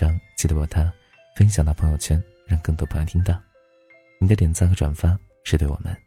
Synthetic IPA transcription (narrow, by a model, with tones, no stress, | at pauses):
ɑ˥ŋt͡ɕi˥˩ə˥˩a˨˩t̪ʰa˥ | fə˥nɕ̬jŋt̪ɑ˥˩pʰɤ˧˥ŋjo˥˧ʊt͡ɕʰjɛ˥n | ɻɑ˥˧ŋkɤ˥˩ŋt̪wɔ˥pʰŋjt̪ʰi˥ŋt̪ɑ˥˩ | ni˧˥d̪ə˧t̪jɛ˧˥nt͡sɑ˥ɡə˧ʈ͡ʂwa̰˨˩nfa˥ | ʂɻ̩˥˧t̪wwɔ̰˨˩mʔə̰˦n